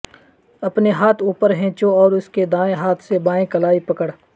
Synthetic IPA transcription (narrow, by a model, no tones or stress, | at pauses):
ɐpneɦaːt̪ʰuːpəɾɦɛ̃ːt͡ʃoɔːɾʊsked̪aːẽɦaːt̪ʰsebaːẽkɐlaːipɐkəɽ